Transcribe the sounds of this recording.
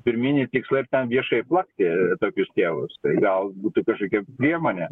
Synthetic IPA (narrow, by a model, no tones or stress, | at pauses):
pʲɪɾʲmʲɪnʲɪt̪ʲɪkslˠɐɪrt̪ʲɛnʋʲiɛʃɐɪplˠɐkt̪ʲɪt̪oːkʲʊst̪ʲeːʋʊ̰st̪ɐɪɡɐlˠbuːt̪ukɐʃkoːkʲɛpʲɾʲiɛmoːnʲɛ